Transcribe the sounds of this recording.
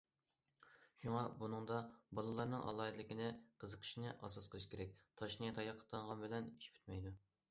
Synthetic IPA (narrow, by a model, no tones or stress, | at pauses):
ʃuŋɑbunɨŋd̪ɑbɑlˠɨlˠɑɾnɨŋʔɑ̰lˠɑːd̪lɪkʲinɪqʰəzəqʰə̥ʃinɨʔɑ̰sɑsqʰəlˠɨʃi̥kʲʰeɾɛk̚ʲt̪ʰɑʃnɨt̪ʰɑjɑqʰːə̥t̪ɑŋʁɑnbɪlɛniʃpʰy̥t̪̚mɛjd̪u